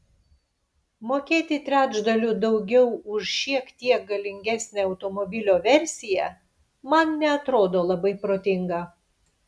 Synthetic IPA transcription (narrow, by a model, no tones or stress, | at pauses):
moːkʲeːt̪ʲɪt̪ʲɾʲæːd͡ʒd̪ɐlʲuːd̪ɒʊɡʲɛʊʊʃʃʲiɛkt̪ʲiɛk̚ɡɐlʲɪŋʲɡʲæsʲnʲeːɐʊt̪omɔbʲɪlʲoːʋʲɛɾʲsʲɪjɛ | mɐnnʲɛɐt̪ɾoːd̪oːlˠɐbɐɪpɾoːt̪ʲɪŋɡɑ